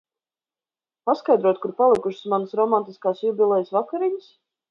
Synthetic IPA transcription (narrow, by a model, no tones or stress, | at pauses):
paskajd̪ɾuɔt̪̚kuɾpalˠikuʃɪ̥smansɾɔmant̪iskaːsjubʲilˠɛjsvakaɾiɲs